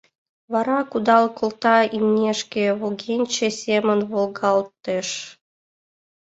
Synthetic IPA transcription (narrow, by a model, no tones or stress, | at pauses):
βɑɾɑkud̪ɑlˠkŏlˠt̪ɑimnʲeʃkʲĕβolɡʲenʲt͡ɕĕsʲemənβolˠɣɑlˠt̪ːeʃ